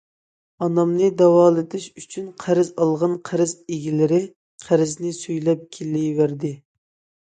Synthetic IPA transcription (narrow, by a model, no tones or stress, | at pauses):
ɑnɑmnɨd̪ɑwɑːlˠɨd̪ɪʃyt͡ʃʰynqʰæɾɪzɑlˠʁɑnqʰæɾɪzeɡʲilɪɾɪ | qʰæɾɪznɪsyjlɛp̚kʲʰelːɪvæɾd̪ɪ